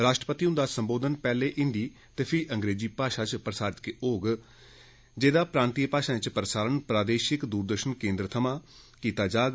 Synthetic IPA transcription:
ɾaːʃʈɾəpət̪iːʊ̃nd̪aːsəmboːd̪ənpɛːleːʔɪ̃nd̪iː | t̪eːpʰɪʔəŋɡɾeːd͡ʒiːpaːʃaːt͡ʃpɾəsaːɾɪt̪̚keːʔoːɡ | d͡ʒeːd̪aːpɾaːnt̪iːpaːʃãːɪt͡ʃpɾsaːɾənpɾaːd̪eːʃɪkd̪uːɾd̪əɾʃənkẽːnd̪ɾət̪ʰəmãː | kiːt̪aːd͡ʒaːɡ

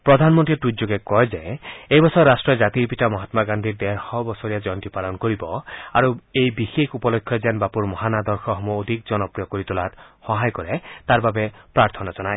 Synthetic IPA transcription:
pɾɔd̪ʱanmɔntɾiʈɾud͡ʒoɡekɔjd͡ʒejejbɔsɔɾasʈɹɔd͡ʒat̪iɾpitamɔɦat̪maɡand̪ʱiɾd̪eɾxɔbɔsɔɾijad͡ʒɔntipalɔnkoɾibɔaɾuejbixekʰupɔlɔkʰːjɔd͡ʒanbapuɾmɔɦanad̪ɔɾxʰɔɦɔmuod̪ʱikd͡ʒɔnɔpɾijɔkoɾit̪ɔlat̪hɔɦajkɔɾet̪aɾbabepɾaɾt̪ʰɔnad͡ʒɔnaj

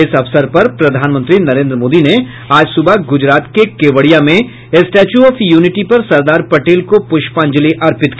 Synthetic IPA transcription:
ɪsɐʋsəɾpɐɾpɾɐd̪ʱaːnmə̃nt̪ɾinɐɾẽːnd̪ɾəmoːd̪ine | aːd͡ʒsʊbəɡʊd͡ʒɾaːt̪kekeːʋəɽijamẽ | ɪsʈɛːt͡ʃuɔːfjuːnɪʈipɐɾsɐɾd̪aːɾpɐʈeːlkopʊʃpãːɲd͡ʒəliʔɐɾpɪt̪k

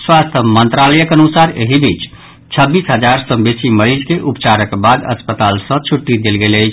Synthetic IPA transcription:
swast̪ʰəmənt̪ɾaləjəkənusaɾeɦibʱit͡ʃ | t͡ʃʰəbːisɦəd͡ʒaɾsə̃besiməɾid͡ʒkeʔupt͡ʃaɾəkbad̪ə̰spət̪alsə̃t͡ʃʰuʈːid̪elɡeləjt͡ʃʰ

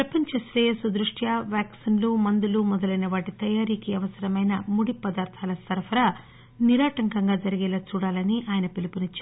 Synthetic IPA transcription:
pɾɐpɐɲt͡ʃɐslesud̪ɾuʂʈʰjaːʋjaːksinluːmɐnd̪uluːmɔd̪ɐlɐjnɐʋaːʈit̪ɐjaːɾiːkiɐʋɐsɐɾɐmɐjnɐmuɽipɐd̪aːɾt̪ʰaːlɐsɐɾfʰɐɾɐ | niɾaːʈɐŋkɐŋɡaːd͡ʒɐɾiɡɛːlɐt͡ʃuːɽaːlɐniʔaːjɐnɐpilipunit͡ʃː

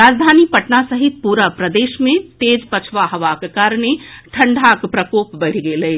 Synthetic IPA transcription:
ɾaːd͡ʒd̪ʱaːnipəʈnasəɦit̪̚puɾəpɾəd̪eːʃmẽt̪eːd͡ʒpət͡ʃʰʋaɦɐʋakekaːɾñeʈʰə̃ɳɖʱakpɾəkoːpbəɽʰɡeleː

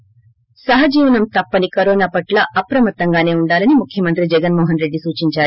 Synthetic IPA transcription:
sɐɦɐd͡ʒiːʋɐnɐmt̪ɐpːɐnikɐɾɔːnaːpɐʈlɐʔɐpɾɐmɐt̪ːɐŋɡaːne̞ːuɳɖaːlɐnimukʰjɐmɐnt̪ɾid͡ʒɛɡɐnmɔːɦɐnɾe̞ɖːisuːt͡ʃiɲt͡ʃaː

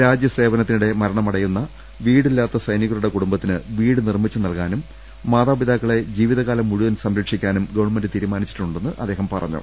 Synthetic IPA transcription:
ɾaːd͡ʑjɐse̞ːʋɐnɐt̪ːinuɽe̞mɐɾɐɳɐmɐɽɐjunːɐ | ʋiːɽilːaːt̪ːɐsɐjniɣɐɾuɽe̞kuɽumbɐt̪ːinɨʋiːɽɨnirmit͡ɕːɨnɐlkaːnumː | aːðaːbid̪aːkːɐɭe̞d͡ʑiːʋiðɐɣaːlɐmːuɻuðɐnsɐmɾɐkʂikʲːaːnumɡɐʋɐrɳmendɨt̪iːɾumaːnit͡ɕːi̥ʈːuɳɖe̞nːɨʔɐd̪ːe̞ːɦɐmpɐ̰rɐ̰ɲːṵ

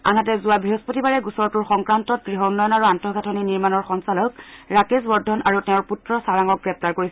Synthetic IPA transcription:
a̰nat̬ɛzuabʱiɦospotibaɹɛɡusɔɹtuɹxɔŋkɹantɔt̚ɡɹiɦɔunːɔjɔnaɹuantɔɡʱatʰɔniniɹmanɔɹxɔnsalɔkɹakesbɔɹdʱːɔnaɹutɛʊɹputɹɔsaɹaŋɔk̚ɡɹɛp̚taɹkoɹisɛ

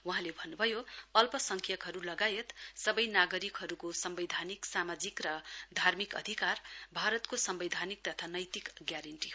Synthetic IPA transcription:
wuɦãlebʱʌnːubʱʌjoʌlpʌsʌŋkʰjʌkɦʌɾulʌɡajet̪sʌbʌjnaɡʌɾikɦʌɾukosʌmbed̪ʱaniksamad͡zikrʌd̪ʱarmikʌ̰d̪ʱikarbʱaɾʌt̪kosʌmbʌd̪ʱanik̚t̪ʌt̪ʰanʌjt̪ikɡjaɾʌɳʈiɦo

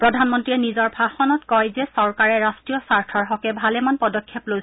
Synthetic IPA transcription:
pɹɔdʱanmɔntɹiɛnizɔɹbʱaxɔnɔtkɔjzɛsɔɹkaɹɛɹastɹijɔsaɹtʰɔɹɦɔkɛbʱalɛmanpɔdɔkʰːeploj

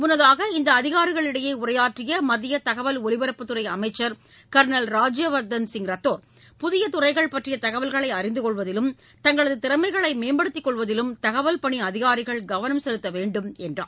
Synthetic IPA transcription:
mʊnːɐðaːɣɐɪnd̪ɐːðɪɣaːɾɪɣɐɭɪɽɐjeːʊrɐjaːʈrɪjɐmɐðɪjɐt̪ɐɣɐʋɐlɔɭɪʋɐɾɐpːɯt̪ːɯɾɐɪɐmɐɪt͡ʃːɐɾ | kɐɾnɐlɾaːd͡ʒjɐʋɐɾd̪ɐnsɪŋɡɾɐt̪ːoːɾ | pʊðɪjɐt̪ʊrɐɪɣɐɭpɐʈrɪjɐt̪ɐɣɐʋɐlɣɐɭɐɪɐɾɪnd̪ɯkɔɭʋɐðɪlɯm | t̪ɐŋɡɐɭɐðɯt̪ɪɾɐmɐɪɣɐɭɐɪmeːmbɐɽɯt̪ːɪkːɔɭʋɐðɪlɯmt̪ɐɣɐʋɐlpɐɳiɐðɪɣaːɾɪɣɐɭɡɐʋɐnɐmsɛlɯt̪ːɐʋeːɳɖɯmɛndra̰ːm

